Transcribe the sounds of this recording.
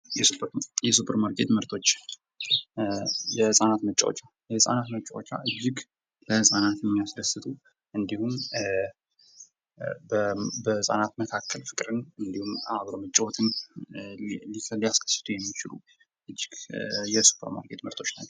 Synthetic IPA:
jɛjɛsupʰəɾmaɾkʰʼe̞t̪məɾt̪ʰo̞t͡ʃː | jɛhɨsʼanat̪mət͡ʃʼːa̰wo̰t͡ʃːa | jɛhɨsʼa̰nat̪mət͡ʃʼːawot͡ʃːa̰ʔɨd͡ʒːɪɡ | ləhɨsʼanat̪jɛmːijasɾəsɨt̪ʰu | ʔɨnd̪ihum | bbəɨsʼa̰nat̪məkʰakʰːəlfɨkʼɾɨnɨnd̪ihumaβɾomət͡ʃʼːɛwɔt̪ʰɨn | lilijaskʰə̥sːɨ̥t̪ʰujɛmːit͡ʃɪlṵ | ʔɨd͡ʒːɪɡjɛsu̥pʰːəɾma̰ɾkʼe̞t̪məɾt̪ʰo̞t͡ʃːnat͡ʃːɛ

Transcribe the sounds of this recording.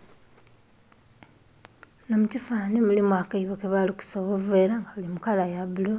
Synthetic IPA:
nomutifaːnimulimwakaiβokeβaliku̥soβoveːɾaŋɡaβalimukalajaβulo

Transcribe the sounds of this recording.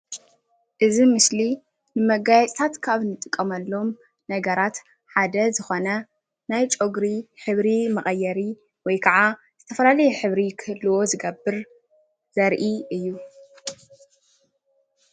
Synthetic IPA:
ʔɨzimɨsli | nɨmɐɡajɛt͡sʼt̪ʰat̪kʰaβnɨt̪ʼɨkʼːɐmɐlːo̞m | nɐɡɐɾat̪ | ħad̪ɐzɨxo̞nɐ | najt͡ʃʼo̞ɡɾiħɨβɾimɐχʼɐjːɐɾi | wɔjkʰɐʕa | zɨt̪ʰɐfɐlalɐjɛħɨβɾikʰɨɨlːɨwo̞zɨɡɐbːɨɾ | z̥ɐɾʔiɨjːu

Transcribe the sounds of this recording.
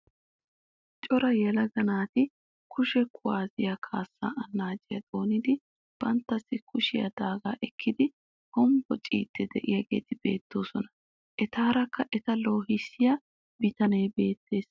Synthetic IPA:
t͡ʃʼɔɾɐjɛlɐɡɐnaːt̪ɪ | kʊʃɛkʰʊwaːzɪjakʰaːsːa̰ːɐnːaːd͡ʒɪjɐd̪̥o̞ːnɪd̪ɪ | b̥ɐnt̪ːɐsːɪkʊʃɪjɐ̰d̪aːɡa̰ːʔɛkʰːɪd̪ɪ | hɔmbɔt͡ʃʼḭːt̪ʰːɛd̪ɛʔɪjɐɡe̞̰ːt̪ɪbe̞̰ːt̪ːo̞ːsɔnɐ | ʔɛt̪aːɾɐkːɐʔɛt̪ɐlo̞ːhɪsːɪjɐ | bɪt̪ɐnejbe̞ːt̪ːe̞ːs

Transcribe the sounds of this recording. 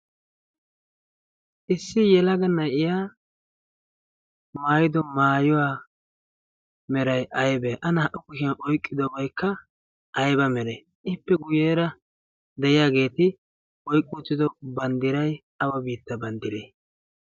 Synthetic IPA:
ʔɪsːɪjɛlɐɡɐnɐjɪjaː | maːjɪd̪ɔmaːjɔwaː | mɛɾɐjʔɐjbɛʔɐnɐhɐʔʊkʊʃɪjɐnʔɔjkʼːɪd̪ɔbɐjkʰːɐ | ʔɐjbɐmɛɾɛ | ʔɪpːɛɡʊjeːɾɐ | d̪ɛʔɪjaːɡe̞ːt̪ɪ | ʔɔjkʼːuːt͡sːɪd̪ɔbɐnd̪ɪɾɐj | ɐwɐbiːt̪ːɐbɐnd̪ɪɾḛː

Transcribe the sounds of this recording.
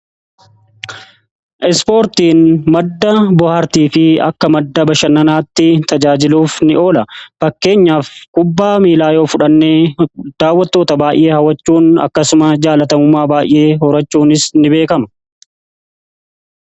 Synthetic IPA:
ʔɛspo̞ːɾt̪iːnmɐd̪ːɐbʊhaɾt̪iːfɪɐ̰kːɐmɐd̪ːɐbɐʃɐnɐnaːt̪ːɪt̪ɐd͡ʒaːd͡ʒɪluːfnɪʔo̞ːlɐfɐkːe̞ːɲːaːfkʊbːaːmiːlaːjo̞ːfʊᶑɐnːeːd̪̥aːwːɐt̪ːoːt̪ɐbaːʔe̞ːhɐwɐt͡ʃːuːnɐ̰kːɐsʊmɐd͡ʒaːlɐt̪ɐmʊmːaːbaːʔɪ̰ʔe̞ːɦɔɾɐt͡ʃːuːnɪsnɪbe̞ːkɐmɐ̥

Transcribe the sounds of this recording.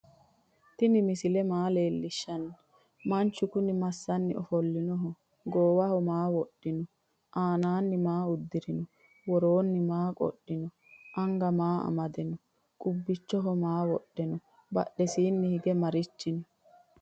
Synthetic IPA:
t̪ɪnɪmɪsɪlɛmaːle̞ːlːɪʃːɐnːɐ | mɐnt͡ʃːʊkʊnɪmɐsːɐnːɪʔɔfɔlːɪnɔɦɔ | ɡoːwɐhɔmaːwɔɗːɪnɔ | ʔaːnaːnːɪmaːʊd̪ːɪɾɪnɔ | wɔɾoːnːɪmaːkʼɔ̰ɗːɪnɔ | ʔɐŋɡɐmaːɐ̰mɐd̪ɛnɔ | kʼʊbːɪt͡ʃːɔɦɔmaːwɔɗːɛnɔ | bɐ̰ɗɛsiːnːɪhɪɡɛmɐɾɪt͡ʃːɪnɔ

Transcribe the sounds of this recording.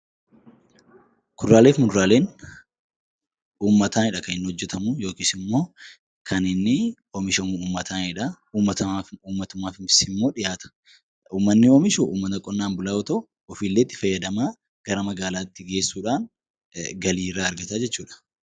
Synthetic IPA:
kʊdɾaːle̞ːfmʊd̪ɾaːleːn | uːmːɐt̪aːnɪᶑɐkɐnɪnːhɔd͡ʒːɛt̪ɐmʊjo̞ːkiːsɪmːo̞ː | kʰɐnɪnːɪ | omɪʃɐmuuːmːɐt̪ʰaːnɪᶑɐ | uːmːɐt̪ɐauːmːɐt̪ʊmaːfɪnfɪ̥sɪmːo̞ːᶑɪjaːt̪ɐ̥ | uːmːɐnːɪomɪʃʊʔṵːmːɐt̪ɐkʼɔnːaːmbʊlaːɔt̪ɐʊ | ɔfiːlːeːt̪ːɪ̥fɐjːɐd̪ɐmaː | ɡ̥ɐɾɐmɐɡaːlaːt̪ːɪɡe̞ːsːuːᶑaːn | ɡɐliːɾːaːɐɾɡɐt̪aːd͡ʒɛt͡ʃːuːᶑɐ̥

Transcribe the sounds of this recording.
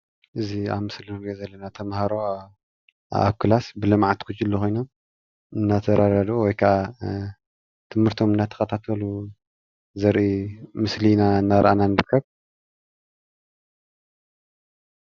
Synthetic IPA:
ʔɨzia̰βmɨslinɾɡezɐlːɐnat̪ʰɐmhaɾo | a̰kʰːɨlasbɨlɨmʕat̪kʰut͡ʃʼːilːoxo̞jno̞m | ɨnːat̪ʰɐɾad̪ad̪wɔjkʰɐʔa | t̪ʰɨmhɨɾt̪ʰo̞mɨnːat̪ʰɐ̥xɐt̪ʰat̪ʰɐlu | zɐɾʔimɨslinaɨnːaɾʔananɨɾɨkʰːɐβ

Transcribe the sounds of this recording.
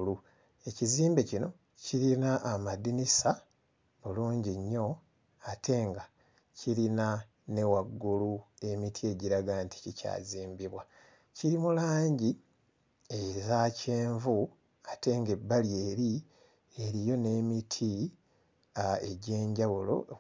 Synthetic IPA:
lu | e̞ciziːmbecino̞ | ciɾinaʔːmadinisa | βuluːɲɟiɲːo̞ | atʰe̞ːŋɡa | cʰiɾina | ne̞waɡːulue̞mitʰie̞ɟiɾaɡaːntʰi̥cica̰ːziːmbiβwa | ciɾimulaːɲɟi | ezaceːɱvu | atʰe̞ːŋɡe̞bːalje̞ːɾi | e̞ɾijo̞ne̞mitʰi | ae̞ɟe̞ːɲɟawulo̞̰

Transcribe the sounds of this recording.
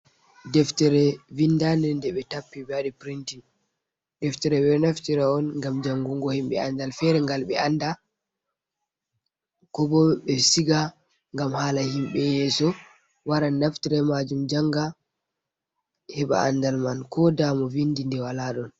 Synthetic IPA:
dɛftɛɾɛvindandɛndɛɓɛtapːibɛaɗipɾintin | dɛftɛɾɛwɛnaftiɾaɔnŋɡamd͡ʒaŋɡuŋɡɔhimɓɛ̰andalfɛɾɛŋɡalɓɛanda | kɔbɔɓɛsiɡa | ŋɡamhaːlahimɓɛjɛsɔ | waɾanaftiɾɛmad͡ʒumd͡ʒaŋɡa | hɛɓa̰a̰ndalmankɔdamɔvindindɛwalaɗɔn

